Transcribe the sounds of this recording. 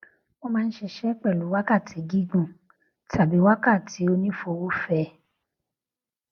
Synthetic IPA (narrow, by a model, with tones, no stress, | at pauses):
mo˧mãː˦˧n̩˦ʃe˧ʃɛ˦k͡pɛ˦˨lu˨˦wa˦ka˦˨tʰi˨˦ɡi˦ɡũ˦˨ | tʰa˨bi˨˦wa˦ka˦˨ti˨˦o˧nĩ˦fo˧wo˦fɛ˧˦